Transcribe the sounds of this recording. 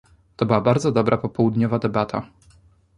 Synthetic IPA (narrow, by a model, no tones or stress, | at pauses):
t̪ɔbɘwabaɾd̪zɔd̪ɔbɾʔapɔpɔwud̪ɲɔvad̪ɛbat̪ʰa̰